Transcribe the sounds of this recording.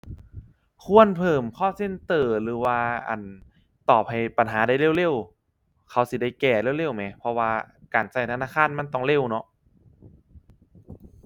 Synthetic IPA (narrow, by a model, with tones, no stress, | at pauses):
kʰu˧˥ənpʰɤː˨˩mkʰɔː˧˥˨se˧˥˨nt̪ɤː˨˩lɯː˨˦waː˧ʔa̰˨˩n | t̪ɔː˨˩p̚ha˨˩jpa˨˩nɦaː˩˦da˥˩jle˥˨wle˧˥˨w | kʰa˧˩wsi˧˩da˧˥˩jkɛː˧˩le˧˥˨wle˧˥˨wma˧˦pʰɔ˧waː˧kaː˨˩nsa˧˩jt̪ʰa˧naː˧˥˨kʰaː˧˥˨nma˧˥˨nt̪ɔ˧˩ŋle˧˥˩wnɔ˧˥ʔ